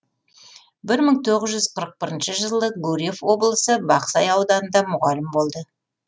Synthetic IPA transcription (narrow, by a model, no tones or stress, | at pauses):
bɪɾməɴt̪ʰo̞ʁzʒʏzqʰəɾəq̚bɪɾənʃəʒəlˠəɡuɾʲefwo̞blˠəsəbɑqsɑjɑwd̪ɑnənd̪ɑmʊʁɑlɪmbo̞lˠd̪ə